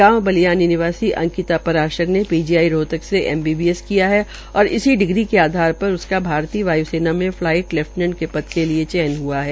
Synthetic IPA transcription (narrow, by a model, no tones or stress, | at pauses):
aːmbɐlijaːninɪʋaːsiʔɐ̰̃ŋkɪt̪apɐɾaːɾʃəknepiːd͡ʒiaːiɾoːt̪əkseʔɛ̰ːmbiːbiːɛskijaɦɛ | ɔːɾɪ̰siɖɪɡɾikeaːd̪ʱaːɾpɐɾʊskabʱaːɾt̪iːʋaːjuseːnamẽflaːɪʈlɛfʈnə̃ɳɖkepɐt̪keliet͡ʃɛːnɦuaɦɛː